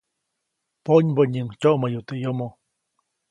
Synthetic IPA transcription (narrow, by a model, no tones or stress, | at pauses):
poɲboɲɨŋt͡ʃoʔmajut̪ejomo